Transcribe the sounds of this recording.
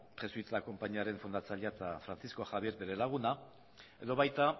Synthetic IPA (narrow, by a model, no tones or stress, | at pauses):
χe̞sujt̪ako̞mpaɲiaɾe̞ɱfund̪at͡saʎeat̪afɾant͡sisko̞xaβje̞ɾdeɾelaɣ̞una | e̞ðoβajt̪a